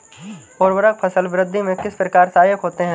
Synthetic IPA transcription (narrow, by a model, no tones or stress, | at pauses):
oːɾwəɾək̚pʰɐsəlʋɾɪd̪ʱːimẽkɪspɾɐkaːɾt̪aːjɪkɦoːt̪eɦɛ̃ː